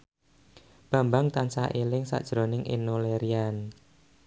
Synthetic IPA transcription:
b̥ä̤mbaŋt̪ansaʔelɪŋsa̰ʔd̥ʒ̥ɾo̤nɪŋʔḛnoleɾian

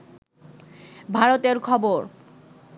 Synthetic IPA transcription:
bʱaɾot̪eɾkʰɔboɾ

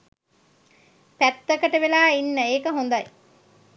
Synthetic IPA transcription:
pæt̪ːɐkɐʈɐʋelaːinːəeːkɐɦond̪ɐj

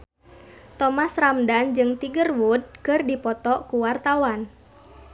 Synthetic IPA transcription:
t̪ɔmasramdand͡ʒɨŋt̪iɡərwud̚kɨrdipɔt̪ɔkuwart̪awan

